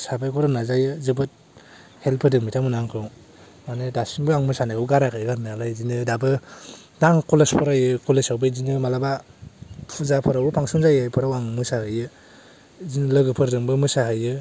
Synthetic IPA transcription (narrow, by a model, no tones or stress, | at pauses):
sabajkʰɔɾɯnazajɯzɯbɯt̚ | helpʰɯdɯŋmitʰamɯnaŋkʰɯw | manɯdasiŋbɯaŋmɯsanakʰɯwɡaɾakʰajɯɡaɾnalajzinɯdabɯ | daŋkolespʰɔɾajɯkolesawbɯzinɯmalaba | pʰuzapʰɔɾawɾupʰaŋsuŋzajajpʰɯɾawaŋmɯsahɯjɯ | zinɯlɯɡɯpʰɯɾdɯŋbɯmɯsaɦɯjɯ